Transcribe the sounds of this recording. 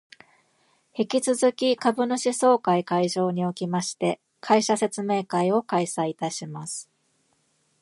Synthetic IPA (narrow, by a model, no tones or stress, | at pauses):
hikʲit͡sɨzɨkʲikabɯ̟noɕiso̞ːkaikaiʑo̞ːɲ̟io̞kʲimaɕi̥t̪e̞ | kʰaiɕase̞t͡sɨme̞ːkaio̞kaisait̪aɕimasɨ̥